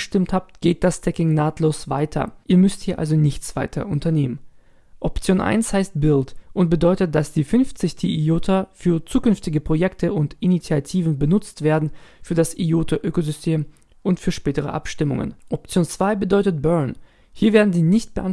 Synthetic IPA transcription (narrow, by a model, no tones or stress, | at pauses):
ʃtɪmthaːp̚tɡ̥eːt̚d̥astʰɛkɪŋnaːtʰloːsv̥a̰ɪtʰɐ̰ʔiːɐmʏsthiːɐʔa̰lzonɪçt͡sv̥a̰ɪtʰɐ̰ʊntɐneːmən | ʔɔpt͡sjoːnʔa̰ɪnshaɪst̚bɪltʔʊnt̚b̥ədɔʏtət̚d̥asd̥iːfʏnft͡sɪçtʰiːioːtʰafyːɐt͡suːkʏnftɪɡəpʁ̥ojɛktʰəʊntʔinit͡sijatʰiːvn̩bənʊt͡stv̥eːɐdn̩fyːɐdasijoːtʰaʔøːkozʏstʰeːm | ʔʊntfyːɐʃpɛːtəʁ̞ə̰ʔa̰pʃtɪmʊŋə̰nʔɔp̚t͡sjoːnt͡sv̥aɪbədɔʏtət̚b̥œɐn | hiːɐveːɐdn̩ziːɐnɪçt̚b̥əʔan